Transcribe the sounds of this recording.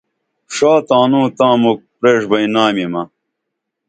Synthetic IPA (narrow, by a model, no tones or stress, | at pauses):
ʂaːt̪aːnũːt̪ãːmuk̚pɾeːʂbɐinaːmimɐ